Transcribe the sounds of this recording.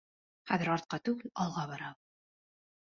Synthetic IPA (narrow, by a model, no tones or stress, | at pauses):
χæðɘɾɑɾt̪̚qɑt̪ʉɡɘlɑlˠʁɑβɑɾɑw